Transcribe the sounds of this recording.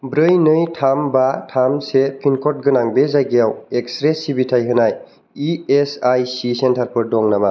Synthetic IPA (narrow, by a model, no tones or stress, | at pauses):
bɾɯjnɯjtʰambatʰamsepʰinkʰɔt̚ɡɯnaŋbezajɡijaweksɾesibitʰajɦɯnaj | iesajsisentʰaɾpʰɯɾ̚dɔŋnama